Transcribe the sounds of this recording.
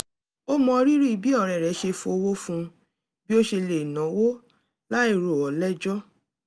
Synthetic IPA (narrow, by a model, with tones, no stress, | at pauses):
o˦mɔ̃˧ɾi˦ɾi˦i˨bi˦ɔ˦˨ɾɛ˨ɾɛ˨˦ʃe˧fũ˧o˧wo˦fũ˧ | bi˦o˦ʃe˧le˨nã˨˦wo˦ | la˦i˦˨ɾo˨ɔ˨lɛ˦d͡ʒɔ˦